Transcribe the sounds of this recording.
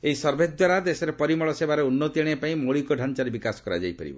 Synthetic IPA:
eɦisɔɾbʱed̪waɾad̪esɔɾepɔɾimɔɭɔsebaɾeunːɔt̪ieɽ̃epaĩmoɭikɔɖʱant͡ʃaɾebikasɔ̥kɔɾa̰d͡ʒa̰jpaɾḭbɔ̰

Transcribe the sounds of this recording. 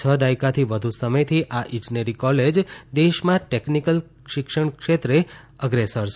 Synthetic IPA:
t͡ʃʰəd̪ajkat̪ʰiʋəd̪ʱusəməjt̪ʰiʔaʔĩd͡ʒneɾikɔled͡ʒd̪eʃmãʈeknikəl | ʃɪkʃəɳkʃet̪ɾe | əɡɾesəɾs

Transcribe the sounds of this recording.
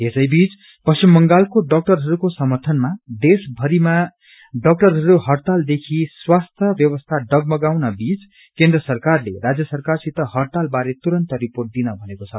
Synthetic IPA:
ɦesʌjbit͡s | pʌst͡ʃimːʌŋɡalkoɖʌk̚ʈʌrɦʌɾukosʌmʌrt̪ʰʌnmad̪esbʱʌɾima | ɖʌk̚ʈʌrɦʌɾuɦʌrt̪ald̪ekʰiswast̪ʰʌbjʌbʌst̪ʰaɖʌɡ̚mʌɡawnʌbit͡s | kend̪rʌsʌrkarlḛɾad͡zjʌsʌrkarsit̪ʌɦʌrt̪albaɾet̪uɾʌnt̪ʌɾiporʈ̚d̪inʌbʱʌnekot͡sʰʌ

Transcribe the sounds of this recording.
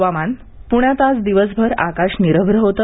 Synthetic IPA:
ʋaman | puɳ̃jat̪at͡sd̪iʋəsbʱəɾa̰kaɕniɾəbʱɾəɦot̪ə

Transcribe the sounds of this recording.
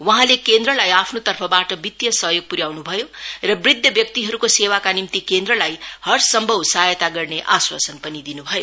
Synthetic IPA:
wʌɦãlekend̪rʌlajapʰnot̪ʌrpʰʌbaʈʌbit̪jʌsʌɦjoɡ̚puɾjawnubʱʌjorʌbrid̪ʱjʌbjʌk̚t̪iɦʌɾukosewakanimt̪ikend̪rʌlajhʌrsʌmbʱʌwsajʌt̪aɡʌrneʔaswa̰sʌnpʌnid̪inubʱʌjo

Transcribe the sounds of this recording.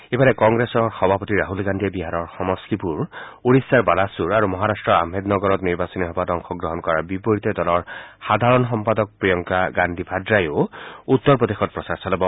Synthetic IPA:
ebaɾekɔŋɡɾesɔɹxɔbʱapɔt̪iɾaɦulɡand̪ʱebiɦaɾɔɹxɔmɔst̪ipuɹuɽisaɹbalasuɹaɾumɔɦaɾastɹɔɹa̰med̪nɔɡɔɾɔt̪niɹbasɔniɦɔbadɔŋxʰɔɡɾɔɦɔnkɔɹabipoɹit̪ed̪ɔlɔɹxad̪ʱaɾɔnɦɔmpad̪ɔk̚pɹijɔŋkaɡand̪ʱibʱadɾajout̪ːɔɹpɹɔd̪exɔt̪̚pɹɔsaɹsalebɔ

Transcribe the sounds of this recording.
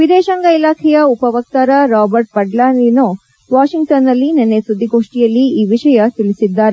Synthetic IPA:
ʋid̪ɛːʃɐŋɡɐilaːkʰɛjɐupɐʋɐk̚t̪aːɾɐɾaːbɐɾʈ̚pɐɖlaːnino | ʋaːʃiŋɡ̚ʈɐnːɐlːinenːesud̪ʱːiɡoːʂʈijɐlːiiːʋiʂɐjɐt̪ilisid̪ːaːɾe

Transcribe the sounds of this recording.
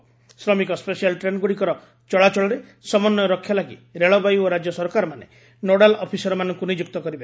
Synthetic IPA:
sɾɔmikɔspesialʈɾenɡuɽikɔɾɔ | t͡ʃɔɭat͡ʃɔɭɔɾe | sɔmɔnːjɔɾɔkʰːjalaɡiɾeɭɔbajoɾad͡ʒjɔsɔɾkaɾɔmane | noɽalɔpʰisɔɾɔmanɔŋkunid͡ʒukt̪ɔkɔɾibe

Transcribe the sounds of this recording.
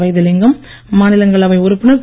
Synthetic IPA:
ʋɐɪðɯlɪŋɡɐmː | aːnɪlɐŋɡɐɭɐʋɐɪʊɾʊpːɪnɐ

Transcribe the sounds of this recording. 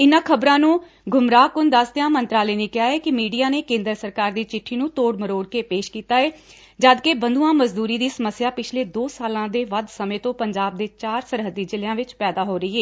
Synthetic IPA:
ɪnãːkʰəbɾãːnũː | ɡʱʊmɾaːkʊnd̪əsd̪ejãːmənt̪ɾaːlɛːneːkɪjaːɛːkɪmiːɖijaːneːkẽːnd̪əɾsəɾkaːɾd̪iːt͡ʃɪʈʰːiːnũːt̪oːɽməɾoːɽkeːpeːʃkiːt̪aːɛː | d͡ʒaːd̪keːbənd̪uːãːməzd̪uːɾiːd̪iːsəməsːjaːpɪt͡ʃʰleːd̪oːsaːlãːd̪eːʋəd̪səmẽːt̪õːpəɲd͡ʒaːb̚d̪eːt͡ʃaːɾsəɾɦəd̪iːd͡ʒɪlɪjãːʋɪt͡ʃpɛːd̪aːɦoːɾəiːɦeː

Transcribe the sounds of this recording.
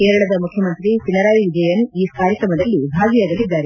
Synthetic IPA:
keːɾɐɭɐd̪ɐmukʰjɐmɐnt̪ɾit͡ʃinɐɾaːʋiʋid͡ʒɐjɐniːskaːɾjɐkɾɐmɐd̪ɐlːibʱaːɡijaːɡɐlid̪ːaːɾe

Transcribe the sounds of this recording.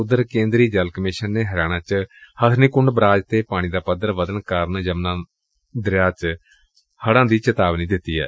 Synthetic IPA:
ʊd̪ːəɾkẽːnd̪ɾiːd͡ʒəlkəmɪʃənːeːɦəɾjaːɽ̃ãːt͡ʃhət̪ʰnikʊɳɖbɾaːd͡ʒt̪eːpaːɽ̃iːd̪aːpəd̪əɾʋəd̪əɳkəɾnd͡ʒəmnãː | d̪ɾɪjaːt͡ʃ | həɽãːd̪iːt͡ʃət̪aːʋniːd̪ɪt̪ːiːɛ̰ː

